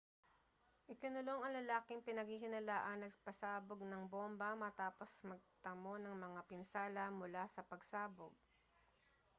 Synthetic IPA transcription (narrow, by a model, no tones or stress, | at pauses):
ʔɪkɪnʊloŋɐŋlɐlaːkɪŋpɪnɐɡhiɦɪnɐlaːʔɐnːɐɡ̚pɐsaːboɡ̚nɐŋbombɐmɐt̪aːpo̞smɐɡ̚t̪ɐmo̞nɐŋmɐŋapɪnsaːlɐmʊlasɐpɐɡsaːboɡ̚